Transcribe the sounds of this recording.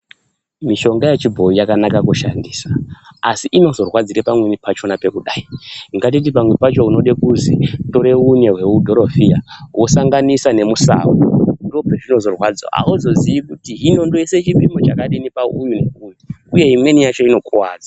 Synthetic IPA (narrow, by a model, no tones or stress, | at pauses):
miʃo̞ŋɡajet͡ʃibʱo̞ijakanakakuʃandiːsaːsiʔino̞zo̞rwad͡ziɾepamwenipat͡ʃo̞nape̞kuɗaiŋɡat̬it̬ipamwepat͡ʃouno̞ɗekuzitoɾe̞une̞ɦwe̞udʱo̞ɾofijawʔo̞saŋɡanisane̞musa̰ːwondo̞petino̞zo̞rwad͡za̰a̰uzo̞ziikutiɦino̞ndoeset͡ʃipimo̞t͡ʃakaɗinipaṵɲuneumuuje̞imwe̞nijat͡ʃo̞ino̞kuwaːd͡za